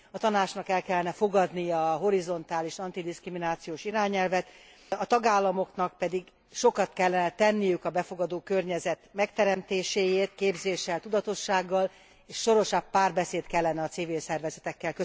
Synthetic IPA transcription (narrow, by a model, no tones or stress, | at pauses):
ɒt̪ɒnaːt͡ʃnɒkɛlkɛlːɛnɛfo̞ɡɒd̪nijɒɒːɦo̞ɾizo̞nt̪aːliʃɒnt̪id̪iskriminaːt̪sijoːʃiɾaːɲɛlvɛt̪ | ɒt̪ɒɡaːlːɒmo̞knɒk̚pɛd̪iɡ | ʃo̞kɒt̪kɛlːɛnɛt̪ɛnːijykɒbɛfo̞ɡɒd̪oːkø̞rɲɛzɛt̪mɛkt̪ɛɾɛmt̪eːʃeːjeːt̪keːbzeːʃːɛlt̪ud̪ɒt̪o̞ʃːaːɡːɒl | eːʃʃo̞ɾo̞ʃɒpːaːrbɛseːt̪kɛlːɛnɛɒt̪sivilsɛrvɛzɛt̪ɛkːɛlkø